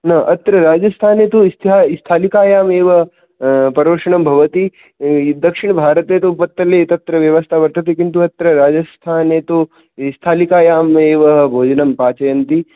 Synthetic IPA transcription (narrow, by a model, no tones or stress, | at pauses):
nɐʔɐt̪ɾɐɾaːd͡ʒɐst̪ʰaːnet̪oist̪ʰiɦaːist̪ʰaːlikaːjaːmeːʋɐ | pɐɾʋɐɾʂɐɳɐmbʱɐʋɐt̪i | d̪ɐkʂiɳ̃ɐbʱaːɾɐt̪eːt̪opɐt̪ːɐleːt̪ɐt̪ɾɐʋjɐʋɐst̪ʰaʋɐɾt̪ɐt̪ikint̪uɐt̪ɾɐɾaːd͡ʒɐst̪ʰaːneːt̪o | st̪ʰaːlikaːjaːmeːʋɐɦbʱoːd͡ʒɐnɐmpaːt͡ʃɐjɐnt̪i